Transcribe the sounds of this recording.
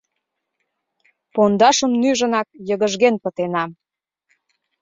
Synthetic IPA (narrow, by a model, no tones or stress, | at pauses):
pond̪ɑʃəmnyʒənɑk̚jəɣəʒɣenpət̪enɑm